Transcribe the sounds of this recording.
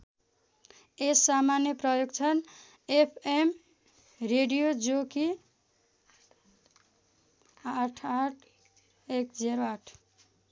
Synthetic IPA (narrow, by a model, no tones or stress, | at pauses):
esːamanjʌprʌjoɡt͡sʰʌn | epʰem | reɖijod͡zoki | aʈʰaʈʰ | ekd͡zeɾoaʈʰ